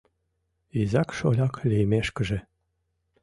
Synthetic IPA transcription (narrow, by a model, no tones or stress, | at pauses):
izɑkʃolʲɑklʲejmeʃkə̆ʒĕ